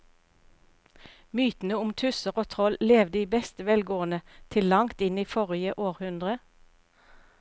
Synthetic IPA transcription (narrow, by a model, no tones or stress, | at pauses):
myːt̪n̩əʊmt̪ʰʉsəʁoːt̪ʰʁɔlleːʋd̪əiːbɛst̪əʋɛlɡoːənət̪ʰɪllɑŋt̪ɪniːfɔʁɪəʔoːʁhʉnd̪ʁə